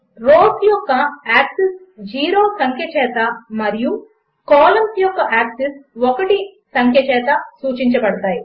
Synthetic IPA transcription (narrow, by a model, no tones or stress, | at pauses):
ɾoːsjɔkːɐaːksis | d͡ʒiːɾoːsɐŋkʰjɐt͡ʃɛːt̪ɐmɐɾiju | kaːlɐmpijɔkːɐʔaːksisɔkɐʈisɐŋkʰjɐt͡ʃɛːt̪ɐsuːt͡ʃiɲt͡ʃɐbɐɽɐt̪aːji